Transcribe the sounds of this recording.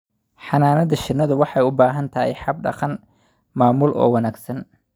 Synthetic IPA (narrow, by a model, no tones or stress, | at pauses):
ħɑnaːnɐðɐʃɪnːɐðʊwɑħɑjʊbaːɦɐnt̪ʰɐhɛ̰jħɑb̚ɖɑ̰qɑn | maːmʊlʔɔ̰ːwɑnaːɡsɐn